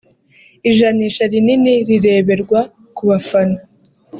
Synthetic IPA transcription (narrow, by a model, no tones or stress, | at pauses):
iʒaniʃaɾininiɾiɾe̞ːβe̞ɾɡwa | kuβafano